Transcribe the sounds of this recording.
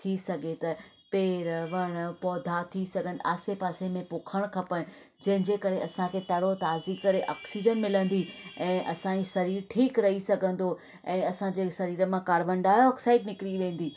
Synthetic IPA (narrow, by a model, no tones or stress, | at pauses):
t̪ʰisɐɡʱet̪ɐ | peːɾʋɐɽ̃pɔːd̪ʱat̪ʰisɐɡʱə̃nd̪aːsepaːsemẽpʊkʰəɽ̃kʰɐpɐ̃ | d͡ʑɐ̃ɦɪ̃ɲd͡ʑeːkɐɾeɐsãkʰeːt̪ɐɽot̪aːzikɐɾeʔa̰ːksiːd͡ʑənmɪlə̃nd̪iɛ̃ːʔɐsãːĩsɐɾiːɾʈʰiːkɾɐɦisɐɡʱə̃nd̪o | ɛ̃ːɐsãd͡ʑeːsɐɾiːɾə̆mãkaːɾʋə̃ɳɖaːjoɔːksaːɪɖnɪkɾiʋẽːn̆d̪iː